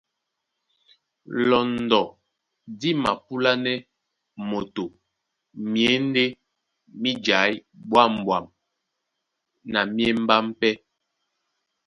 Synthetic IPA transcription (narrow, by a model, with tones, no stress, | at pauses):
lɔ˨n˨dɔ˨ | di˦ma̰˨pu˦la˦nɛ˦ | mo˨to˨ | mje˨˦n˦de˦ | mi˦d͡ʒa˨˦jbwa˦˨m˨bwa˨m | na˨mje˦m˦ba˦m˦pɛ˦